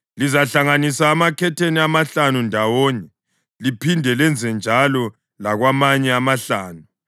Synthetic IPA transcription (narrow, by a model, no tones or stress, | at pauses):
lizaɬaŋanisaːmakʰɛtʰeniamaɬanundʱawɔːɲɛ | lipʰindʱɛlɛnd͡zʱɛnd͡ʒʱalɔ | laɣwamaɲɛamaɬaːnu